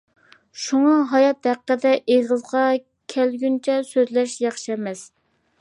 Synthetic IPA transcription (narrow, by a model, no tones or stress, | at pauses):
ʃuŋɑɦɑjɑt̪hæqːəd̪ɛʔeʁəzʁɑ | kʲʰælɡʲynt͡ʃʰɛsøzlɛʃjɑχʃɛmɛs